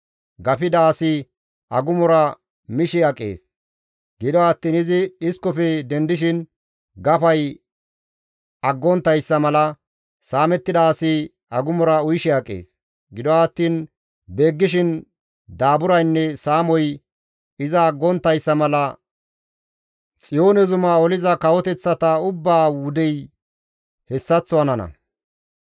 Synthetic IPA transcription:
ɡɐfɪd̪ɐːsɪ | ɐɡʊmɔɾɐ | mɪʃɪɐkʼːḛːs | ɡ̥ɪd̪ɔɐt̪ːiːnɪzɪɗɪskɔfɛd̪ɛnd̪ɪʃ̬ɪn | ɡɐpɐj | ɐɡːɔnt̪ːɐjsːɐmɐlɐ | saːmɛt̪ːɪd̪ɐːsɪ | ɐɡʊmɔɾɐʊjʃɪɐkʼːḛːs | ɡɪd̪ɔɐt̪ːiːn | be̞ːɡːɪʃ̬ɪn | d̪aːbʊɾɐjnːɛsaːmɔj | ɪzɐːɡːɔnt̪ːɐjsːɐmɐlɐ | t͡sʼɪjo̞ːnɛzʊmaːɔlɪzɐkɐwɔt̪ɛt͡sːɐt̪ɐʊbːaːwʊd̪ɛj | hɛsːɐt͡sːɔɐnɐnɐ̰

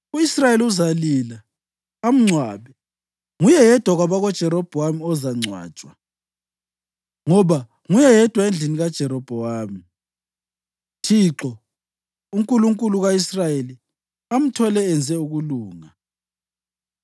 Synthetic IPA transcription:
uisrajeliuzalila | am̩ŋ͡ǀʱwaːβɛ | ŋujɛjɛd̥ʱwaɣwaβaɣɔd̥ʒ̥ʱɛɾɔb̥ʱɔwamiɔzaŋ͡ǀʱwa̰̥ːt͡ʃʼwa | ŋɔβa | ŋujɛjɛd̥ʱwaend͡ɮʱiniɣad̥ʒ̥ʱɛɾɔb̥ʱɔwaːmi | tʰiːǁɔ | uŋkʼuluŋkʼuluɣaisrajeli | am̩tʰɔlɛːnd͡zʱɛuɣuluːŋa

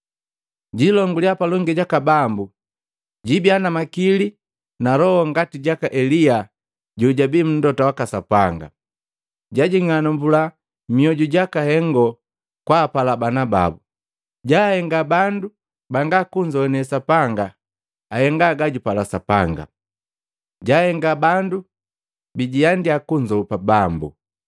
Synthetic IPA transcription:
ɟilɔŋɡuliapalɔŋɡɛɟakabambu | ɟibianamakili | nalɔhɔŋɡatiɟakaʔɛlija | ɟuɟabim̩ndɔtawakasapaŋɡa̰ | ɟaɟiŋanɔmbula | miɔɟuɟakahɛŋɡɔ | kwaːpalabanaba̰bu | ɟahɛŋɡabandu | baŋɡakuɲd͡ʒɔɛnɛsapaŋɡaː | hɛŋɡaɡaɟupalasapa̰ŋɡa̰ | ɟaːhɛŋɡabandu | biɟijandiakuɲd͡ʒɔpabambṵ

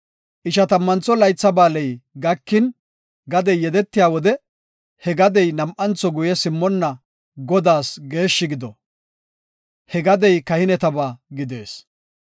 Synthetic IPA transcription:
ʔɪʃɐt̪ɐmːɐnt͡sɔlɐjt͡sːɐbaːlɛjɡɐkːɪn | ɡɐd̪ɛjːɛd̪ɛt̪ːɪjaːwɔd̪ɛ | hɛɡɐd̪ɛjnɐmʔɐnt͡sːɔɡʊjɛsɪmːɔnːɐ | ɡɔd̪aːsɡe̞ːʃːɪɡɪd̪ɔ | hɛɡɐd̪ɛjkɐhɪnɛt̪ɐbaːɡɪd̪e̞ːs

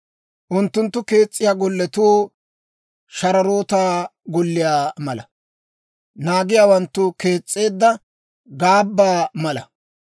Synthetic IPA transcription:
ʔʊnt̪ːʊnt̪ːʊke̞ːt͡sʼːɪjaːɡɔlːɛt̪uː | ʃɐɾɐɾo̞ːt̪aːɡɔlːɪjaːmɐlɐ | naːɡɪjaːwɐnt̪ːʊke̞ːt͡sʼːe̞ːd̪ːɐ | ɡaːbːaːmɐlɐ

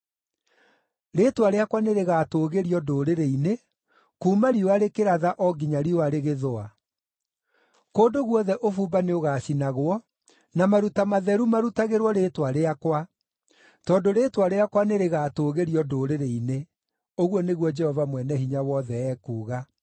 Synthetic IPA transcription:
ɾetwaɾeakwaneɾeɣatoɣeɾiɔdoːɾeɾeine | kuːmaɾioaɾekeɾaðaʔɔɡiɲaɾioaɾeɣeðoa | koːdoɣwɔðɛʔofuːbaneoɣaːʃinaɣwɔ | namaɾutamaðɛɾumaɾutaɣeɾwɔɾetwaɾeakwa | tɔndoɾetwaɾeakwaneɾeɣaːtoːɣeɾiɔdoːɾeɾeine | oɣwɔneɣwɔd͡ʒɛhɔvamwɛnɛhiɲawɔðɛɛːkuːɣa

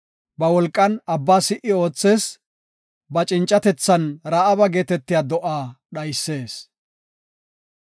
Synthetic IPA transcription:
bɐwɔlkʼːɐnɐbːaːsɪʔːɪo̞ːt͡sːe̞ːs | bɐt͡ʃʼɪnt͡ʃʼːɐt̪ɛt͡sːɐnɾaːʔɐbɐɡe̞ːt̪ɛt̪ːɪjaːd̪ɔʔaːɗɐjsːe̞ːs

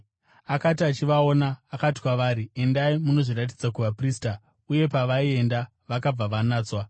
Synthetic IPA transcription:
akatiat͡ʃiʋao̞naːkati̥kwaʋaːɾie̞ndaimuno̞ʐirat̬id͡zakuʋapriːsta | uje̞paʋaie̞nda | ʋakab͡vaʋanaːt͡swa

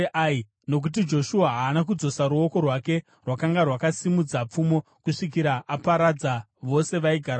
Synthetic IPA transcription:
ʔai | no̞k̬ut̬id͡ʒo̞ʃuaɦaːnakud͡zo̞saɾuo̞ko̞rwake̞ | rwakaŋɡarwakasimud͡zap͡fumo̞ | kuʂik̬iɾaapaɾad͡za | ʋo̞se̞ʋaiɡʱaɾa

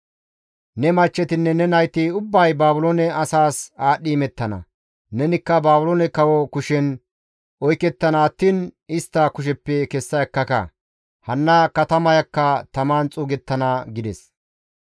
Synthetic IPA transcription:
nɛmɐt͡ʃːɛt̪ɪnːɛnɛnɐjt̪ɪʊbːɐjbaːbʊloːnɛɐsaːsaːɗːiːmɛt̪ːɐnɐ̰ | nɛnɪkːɐbaːbʊloːnɛkɐwɔkʊʃɛn | ʔɔjkːɛt̪ːɐnɐːt̪ːiːnɪst̪ːɐkʊʃ̬ɛpːɛkɛsːɐjɐkːɐkɐ̰ | hɐnːɐkɐt̪ɐmɐjɐkːɐt̪ɐmaːnt͡sʼuːɡɛt̪ːɐnɐɡɪd̪ɛs

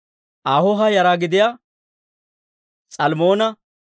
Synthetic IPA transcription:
ʔaːhɔɦɐjɐɾaːɡɪd̪ɪja | t͡sʼɐlmoːnɐ

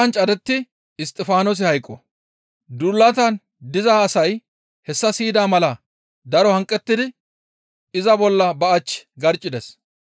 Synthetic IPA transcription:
ɐnt͡ʃʼɐd̪ɛt̪ːɪ | ɪst̪ʼɪfaːnos̬ɪhɐjkʼːɔ | d̪ulːɐt̪ɐn | d̪ɪzaːsɐj | hɛsːɐsiːd̪aːmɐlɐ | d̪ɐɾɔhɐŋkʼːɛt̪ːɪd̪ɪ | ɪzɐbɔlːɐbɐɐt͡ʃːɡɐɾt͡ʃʼːɪd̪ɛs

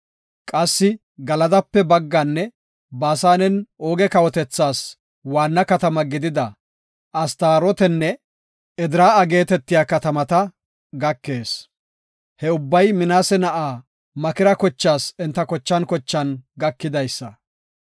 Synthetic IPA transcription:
kʼɐsːɪ | ɡɐlɐd̪ɐpːɛbɐɡːɐnːɛ | baːsaːnɛnoːɡɛkɐwɔt̪ɛt͡sːaːs | waːnːɐkɐt̪ɐmɐɡɪd̪ɪd̪ɐ | ʔɐst̪aːɾɔt̪ɛnːɛ | ɛd̪ɪɾaːɐɡe̞ːt̪ɛt̪ːɪjaːkɐt̪ɐmɐt̪ɐ | ɡɐkːe̞ːs | hɛʊbːɐjmɪnaːsɛnɐʔaː | mɐkɪɾɐkɔt͡ʃːaːsɛnt̪ːɐkɔt͡ʃːɐnkɔt͡ʃːɐnɡɐkːɪd̪ɐjsːɐ

